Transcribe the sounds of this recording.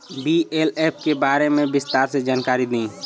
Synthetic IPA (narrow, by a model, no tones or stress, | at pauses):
bieːleːp̚ʰkebaːɾemẽbɪst̪aːɾsed͡ʒaːnkaːɾid̪ĩː